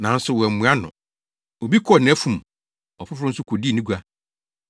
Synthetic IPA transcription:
nã˨n̩˦sʊ˨wɛ˨mːũ˨a˦nʊ̰̃˨ | o˨bi˦kʰɔ˦˨nɪ̃˨˦fũ˨m | ɔ˨pʰʊ˦fʊ˦ɾʊ̃˦n̩˦sʊ˦kʰo˨di˦˨nĩ˦ɡu˦a˦

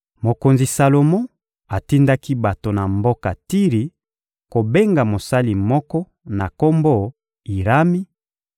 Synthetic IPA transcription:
mo˨ko˨nzi˨sa˨lo˨mɔ̃˦ | a˨ti˦nda˦ki˦ba˨to˨na˨mbo˦ka̰˨ti˦ʁi˨ | ko˨be˦ŋɡa˨mo˨sa˦li˨mɔ˦kɔ˦ | na˨ko˦mbo˦˨ | i˨ɾa˦mi˦

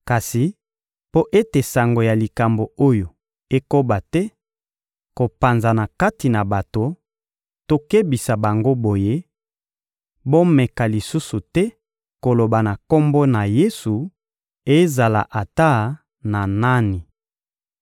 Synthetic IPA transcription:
ka˨si˨ | po˦ʔe˦te˨sa˨ŋɡo˨ja˨li˨ka˨mbo˨o˦jo˨ | e˦ko˦ba˨tɛ˦ | ko˨pa˨nza˨na˨ka˦ti˨na˨ba˨to˨ | to˦ke˦bi˨sa˨ba˨ŋɡo˦bo˨je˦ | bo˦mɛ˨ka˨li˨su˦su˨tɛ˦ | ko˨lo˨ba˨na˨ko˦mbo˦na˨je˦su˨ | e˦za˨la̰˨ʔa˨ta˦ | na˨na˦ni˨

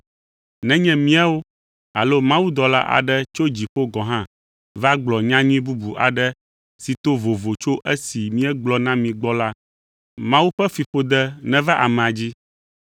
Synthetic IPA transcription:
nɛ̃˦ɲɛ̃˦mĩ˦a˦wo˦ | a˨lo˦mã˦wu˦d̪ɔ˨la̰˦ʔa̰˨ɖɛ˦t͡ʃo˦d͡ʑi˨ɸo˦ɡɔ˨ɦã˦ | va˦ɡ͡blɔ˨ɲã˦ɲũ˦ĩ˦bu˦bu˨ʔa̰˨ɖɛ˦ | si˨t̪o˦vo˨vo˨t͡ʃo˦ʔɛ˦si˨mĩ˦ɛ˦ɡ͡blɔ˨nã˦mĩ˨ɡ͡bɔ˦la˦ | mã˦wu˦ɸɛ˦fi˨ɸo˨d̪ɛ˦nɛ̃˨va˦ʔa˨mɛ̃˨a˨d͡ʑi˦

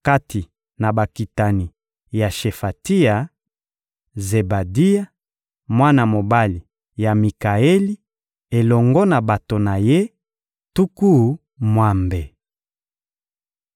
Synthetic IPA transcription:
ka˦ti˨ | na˨ba˨ki˨ta˨ni˨ | ja˨ʃe˨fa˨ti˦ja˨ | ze˨ba˨di˦ja˦ | mwa˦na˨mo˨ba˦li˨ | ja˨mi˨ka˨e˦li˦ | e˨lɔ˨ŋɡɔ˦na˨ba˨to˨na˨je˦ | tu˦ku˦˨˦ | mwa˨mbe˨

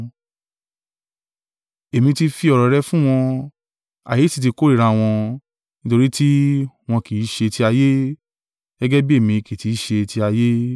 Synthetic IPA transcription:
e˨mĩ˧ti˧fi˧ɔ˨ɾɔ˨˦ɾɛ˦fũ˦w̃ɔ̃˧ | a̰˨je˨˦ti˨˧t̬i˧ko˦ɾi˦˨ɾã˧w̃ɔ̃˧ | nĩ˦to˧ɾi˦ti˦w̃ɔ̃˧ki˨˦ʃe˧ti˧˦a˧je˦ | ɡ̥ɛ˦ɡɛ˦bi˦e˦˨mĩ˧ki˨ti˨˦ʃe˧ti˧a˧je˦

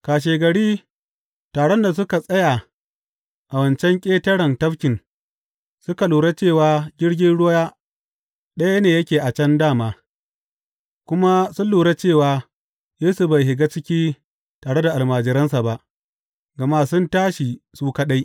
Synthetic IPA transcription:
kaː˨ʃ̬eː˨ɡɐ˨ɽiː˦ | taː˨ɽɔ˦nda˨s̬ʊ˦ka˨sʼɐ˦ja˨ | ʔa˨wɐ˨nt͡ʃɛ˦ŋkʲʼeː˦tɐ˦ɽɐ˨ntɐ˦fkʲɪ˨n | sʊ˦ka˨luː˨ɽa˦t͡ʃeː˦˨waː˨ɡʲɪ˦ɽɡʲɪ˦nɽʊ˦wa˦jaː˦ | ɗɐ˦ja˦neː˨jɐ˦kʲeː˨ʔa˨t͡ʃɛ˦ndaː˦˨maː˨ | kʷʊ˦ma˦sʊ˦nluː˨ɽa˦t͡ʃeː˦˨waː˨ | jeː˦su˨ba˨jɦɪ˨ɡa˦t͡ʃɪ˦kʲiː˦ | taː˨ɽe˦da˨ʔa˨lmaː˨d͡ʒɪ˨ɾɐ˦nsa˨ba˦ʔ | ɡɐ˨maː˦sʊ˦ntaː˦ʃi˨suː˦ka˦ɗa˦j

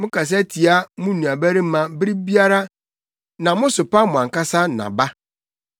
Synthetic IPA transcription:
mʊ̃˦ka˨s̬ɛ˦tʰi˨a˦mʊ̃˦nũ˨a˨bæ˦ɾi˦m̩˦mã˨bɾi˦bi˦a˦ɾa˦ | nã˨mʊ̃˦sʊ˨pa˦mʊ̃˨ã˨ŋka˦sa˦nã̰˨ba˦

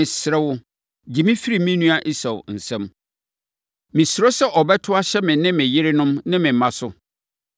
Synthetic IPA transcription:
ɪ̃˨sɾɛ˦wʊ˦ | d͡ʑi˨mĩ˦fi˦ɾi˨mĩ˦nũ˦a˦ʔi˦sa˨w̰n̩˨sɛ̃˦m | mɪ̃˨sɾo˦sɛ˦ʔɔ˨bɛ˦tʰʊ˦a˦ɕɛ˦mɪ̃˨nɪ̃˦mɪ̃˨jɪ˦ɾɪ˦nʊ̃˦mnɪ̃˦mɪ̃˨m˨mã˨˦sʊ˦

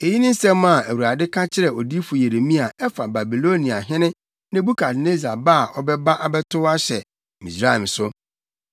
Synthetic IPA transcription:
e˨ji˦nɪ̃˦n̩˦sɛ̃˦mã˨æ˨wu˨ɾa˨dɪ˦kʰã˦t͡ɕʰɪ˦ɾɛ˨o˨di˦fʊ˨je˨ɾe˨mĩ˦a˨ɛ˦fa˨ba˨bi˨lo˦nĩ˨a˨ɦɪ̃˦nɪ̃˦ | nɪ̃˦bu˦kʰa˨dne˦za˨ba˦˨ʔɔ˦bɛ˦ba˦ʔa˨bɛ˦tʰʊ˦wa˦ɕɛ˨ | mḭ̃˨sɾa˦˨ɪ˨m˨sʊ˦

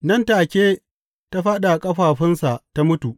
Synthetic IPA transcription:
nɐ˦ntaː˨kʲeː˦ | ta˦ɸaː˦ɗa˨kʼɐ˦ɸaː˨ɸɪ˦nsa˨ʔta˦mʊ˦tu˨ʔ

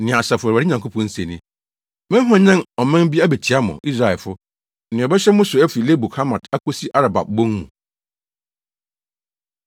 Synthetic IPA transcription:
nɪ̃˨a˨ɕa˨fʊ˨a˨ɾɪ˦ɲã˨ŋkʰo˦pʰɔ̃˨n̩˦se˨nĩ˦ | mɛ̃˦ɦɔ̃˨ɲã˦ɔ˨mɛ̃˦m˦bi˦æ˦be˨t͡ɕʰi˨a˦mʊ̰̃˨i˦sɾa˨ɛ˨lfʊ˦ | nɪ̃˨ɔ˨bɛ˦ɕᶣɛ˦mʊ̃˦sʊ˨æ˦fi˨le˦bu˨kʰa˦mã˨tʰa˦kʰo˦si˦ʔa˦ɾa˨ba̰˨b̚bõ˦ŋmũ˨

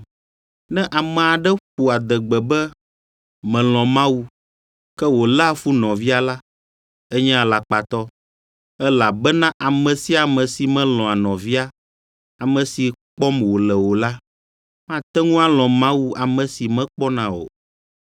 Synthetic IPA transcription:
nɛ̃˦ʔa˨mɛ̃˨a˨ɖɛ˦ɸu˨a˨d̪ɛ˨ɡ͡bɛ˨bɛ˦ | mɛ̃˨l̃ɔ̃˨mã˦wu˦ | kɛ˦wo˨lɛ˦˨fu˦nɔ̃˨vi˦a˨la˦ | ɛ˦ɲɛ̃˦a˨la˨k͡pa˨t̪ɔ˦ | ɛ˦la˨bɛ˦nã˦ʔa˨mɛ̃˨si˦a˨mɛ̃˨si˨mɛ̃˦lɔ̃˨a˨nɔ̃˨vi˦a˦ | a˨mɛ̃˨si˨k͡pɔ˦mwo˨lɛ˨wo˨la˦ | mã˦˨t̪ɛ˦ŋũ˦a˦lɔ̃˨mã˦wu˦a˨mɛ̃˨si˨mɛ̃˦k͡pɔ˦nã˨o̰˨

